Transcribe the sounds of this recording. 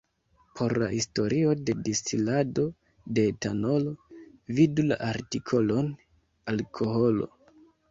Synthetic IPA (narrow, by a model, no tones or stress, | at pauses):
pʰo̞ɾla̰histo̞ɾʔio̞de̞distilado̞ | de̞tano̞lo̞vidula̰ʔaɾtikʰo̞lo̞n | alkʰo̞ɦo̞lo̞̰